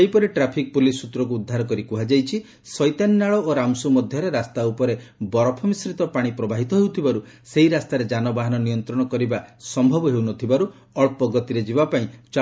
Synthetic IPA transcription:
ejpɔɾiʈɾapʰik̚pulisut̪ɾɔk̬uːd̪ʱːaɾɔkɔɾikuɦad͡ʒajt͡ʃʰi | sɔjt̪anːaɭɔoɾamsumɔd̪ʱjɔɾeɾast̪aupɔɾebɔɾɔpʰɔmisɾit̪ɔpaɽ̃ipɾɔbaɦit̪ɔɦewt̪ʰibaɾu | seɦiɾast̪aɾed͡ʒanɔbaɦanɔnijɔnt̪ɾɔɽ̃ɔkɔɾibasɔmbʱɔbɔɦewnɔt̪ʰibaɾu | ɔɭpɔɡɔt̪iɾed͡ʒibapaĩt͡ʃ

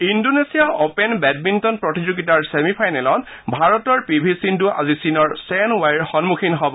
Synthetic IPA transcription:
indonesijaʔopenbɛd̚bintɔnpɹɔtizuɡitaɹsemipʰajnɛlɔn | bʱaɹɔtɔɹpibʱisinduʔa̰zisinɔɹsɛnwajɹxɔnmukʰinɦɔbɔ

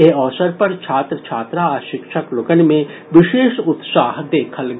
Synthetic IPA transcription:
eɔːsəɾpɐɾt͡ʃʰaːt̪ɾət͡ʃʰaːt̪ɾaʃɪkʃəklokənmẽ | ʋɪʃeːʃʊt̪saːɦd̪eːkʰəlɡ

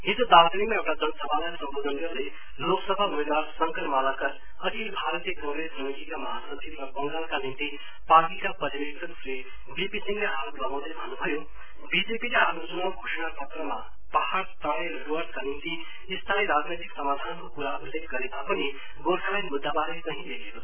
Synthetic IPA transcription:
ɦid͡zod̪at̪nimaewʈad͡zʌnʌsʌbʱalasʌmbod̪ʱʌnɡʌɾule | loksʌbʱaɦumeɡ̪aɾsʌŋkʌɾmalakʌɾ | ʌt̪ʰilebʱaɾʌt̪ijʌkʌŋɡɾesʌmikikamʌɦasʌt͡sʰibrʌbʌŋɡalkanint̪i | paɡikapʌɾibekt̪ʰʌksre | bipisiŋeɦaɾoplʌɡaw̃d̪ʌjbʱʌnːubʱʌjo | bid͡zepileɦamut͡sunʌwɡʱosnapʌt̪rʌma | pahaɾt̪aɽ̃erʌɾuward̪kanint̪iː | st̪ʰaneɾad͡znejt̪iksʌmad̪ʱankokuɾaulek̚ɡʌɾet̪apʌni | ɡoɾfʰalajmud̪ʱːabaɾekʌɦĩlekʰekot͡sʰ

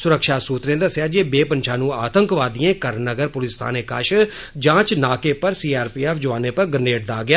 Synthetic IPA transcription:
sʊɾəkʃaːsuːt̪ɾẽːd̪əsjaːd͡ʒeːbeːpənʃʰaːnũːaːt̪əŋkʋaːd̪ɪ̃ẽːkəɾnəɡəɾpʊlɪst̪ʰa̰ːneːkəʃ | d͡ʒãːt͡ʃnaːkeːpəɾsiːaːɾpiːɛːfʰd͡ʒʊʋaːneːpəɾɡəneːʈd̪aːɡɪjaː

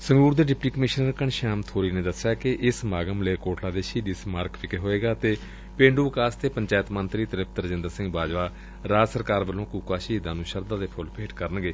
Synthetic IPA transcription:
səŋɡuːɾd̪eːɖɪpʈiːkəmɪʃnəɾkəɳʃaːmt̪ʰoːɾiːneːd̪əsːjaːkɪʔɪsmaːɡəmleːkoːʈʰlaːd̪eːʃiːd̪ismaːɾkpʰɪkeɦoːeːɡaːt̪eː | pẽːɳɖuːkaːst̪eːpəɲt͡ʃaːjət̪mənt̪ɾiːt̪əɾɪp̚t̪əɾd͡ʒɪ̃nd̪əɾsɪ̃ŋɡbaːd͡ʒʋaː | ɾaːsəɾkaːɾbəlõːkuːkaːʃiːd̪ãːnũːʃəɾd̪ãːd̪eːpʰʊlpʰeːʈkəɾənɡeː

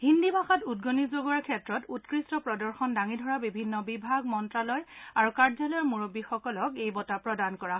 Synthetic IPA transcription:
ɦindibʱaxatudɡonizoɡɔɹkʰɛtɹɔtutkɹistɔpɹɔdɔɹxɔndaŋidʱɔɹabibʱinːɔbibʱaɡmɔntɹalɔjaɹukaɹzalɔjɔmuɹobixɔkɔlɔkejbɔtapɹɔdankɔɹa

